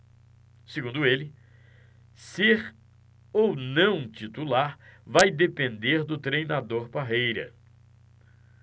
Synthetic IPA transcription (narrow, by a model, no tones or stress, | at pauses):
seɡũnd̪ʊelɪ | seɾ | ownɐ̃w̃t͡ʃit̪ulaɾvajd̪epẽnd̪eɾd̪ʊt̪ɾejnad̪oɾpaɦejɾɐ̰